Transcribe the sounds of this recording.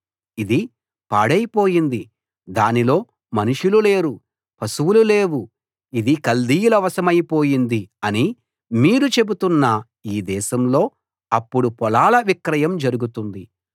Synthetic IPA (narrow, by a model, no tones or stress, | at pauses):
id̪i | paːɽɐjpo̞ːjind̪i | d̪aːnilo̞ː | mɐnuʂulule̞ːɾu | pʰɐsuwulule̞ːwu | id̪ikɐld̪iːjulɐʋɐsɐmɐjpo̞ːjind̪iɐni | miːɾut͡ʃe̞but̪unːɐ | iːd̪ɛːʃɐmlo̞ː | ɐpːuɽupɔlaːlɐʋikɾɐjɐmd͡ʒɐɾuɡut̪und̪i